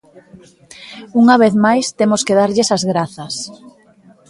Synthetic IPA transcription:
uŋɐβ̞eθmajst̪emoskeðaɾʎɪsazɣɾaθɐs

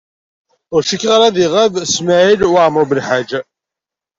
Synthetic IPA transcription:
ʊɾʃəkːʁaɾaðiʁavsmaʕilwaʕməɾˤbəlħad͡ʒa

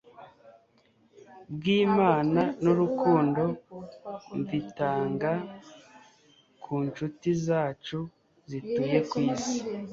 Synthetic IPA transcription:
bɡiːmaːnanuɾukuːndo̞ | ɱvitaːŋɡa | kʰuːnt͡ʃutizaːt͡ʃu | zituːje̞kwiːzi

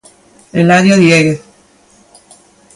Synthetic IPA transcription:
elaðjoðjeɣe

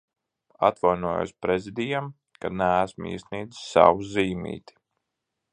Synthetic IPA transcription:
a̰t̪vajnuɔːjo̰sʲpɾezid̪ijam | kanææsmḭːsniːd̪i̥ssa̰wuziːmḭːt̪i̥

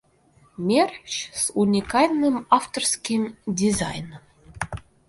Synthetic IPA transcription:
mʲert͡ɕsunʲikɑlʲnɨmɑft̪orskʲimdʲizɑ̰jnəm

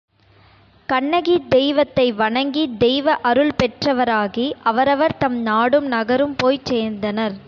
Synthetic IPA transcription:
kɐɳːɐɣid̪ɛjʋɐt̪ːɐɪʋɐɳɐŋɡid̪ɛjʋɐʔɐɾɯɭpɛʈrɐʋɐɾaːɣiʔɐʋɐɾɐʋɐɾt̪ɐmnaːɽɯmnɐɣɐɾɯmpoːjt͡ʃseːɾnd̪ɐnɐɾ

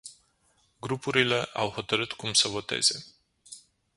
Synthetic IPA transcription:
ɡɾupuɾile̞ʔawho̞t̪əɾɨt̪kumsəvo̞t̪e̞̰z̥e̞

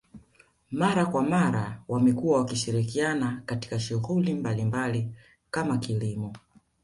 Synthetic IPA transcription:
maɾakwamaɾawamɛkuwawakiʃiɾikianakati̥kaʃuɣulimbalimbali | kamakilimɔ

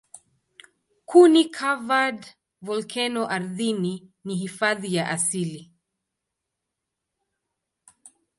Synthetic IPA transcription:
kʰunikʰavad | vɔlkʰɛnɔʔaɾðininiɦifaðijaʔasili

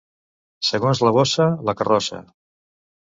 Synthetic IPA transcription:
səɣ̞onzləβ̞osələkərɔsə̰

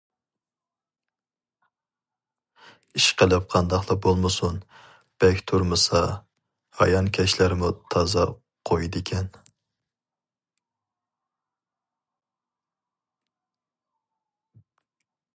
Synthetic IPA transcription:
iʃqəlˠɨp̚qʰɑnd̪ɑχlˠɑbolˠmɨsun | b̥ɛkʲt̪ʰuɾmɨsɑ | hɑ̰jɑnkʲʰɛʃlæɾmut̪ʰɑzɑ | qʰojd̪ɪkʲʰɛn

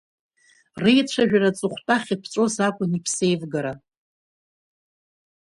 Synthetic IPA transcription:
rejt͡ɕʷʰaʒᶣarat͡sʼɨχʷtʼaχʲipʰt͡ʃʼozakʷʼʊnipʰsejvɡaɾa

